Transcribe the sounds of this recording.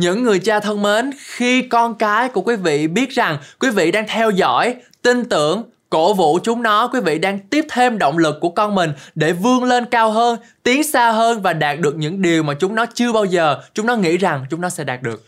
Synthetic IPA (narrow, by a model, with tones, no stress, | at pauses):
ɲɨ̰˧˥ŋːɨ˨˩əjt͡ɕaː˧t̪ʰə˧ŋme˨˦nxi˧kɔ˧nkaː˨˦jku˧˩əkwi˨˦vḭ˧˨ɓi˦˥ət̚za˨˩ŋkwi˨˦vḭ˧˨ɗaː˧ŋt̪ʰɛ˧wzɔ̰˧˥˨jt̪i˧ŋ̟t̪ɨ̰˧˩˨əŋ | ko̰˧˥vṵ˧˥t͡ɕʊ˨˦ŋ͡mnɔ˨˦kwi˨˦vḭ˧˨ɗaː˧ŋt̪i˦˥əp̚t̪ʰe˧mɗo̰˧˨wŋ͡mlɨ˨˩k̚ːu˧˩əkɔ˧nmï˨˩ŋ̟ɗe˧˩vɨ˧əŋle˧nkaː˧wɦəː˧nt̪i˨˦əŋsaː˧ɦəː˧nvaː˨˩ɗaː˨˩t̚ɗɨ˨˩ək̚ɲɨ̰˧˥ŋɗi˨˩əwmaː˨˩t͡ɕʊ˨˦ŋ͡mnɔ˨˦t͡ɕɨ˧əɓaː˧wzəː˨˩t͡ɕʊ˨˦ŋ͡mnɔ˨˦ŋḭ˧˥za˨˩ŋt͡ɕʊ˨˦ŋ͡mnɔ˨˦sɛ̰˧˥ɗaː˨˩t̚ɗɨ˨˩ək̚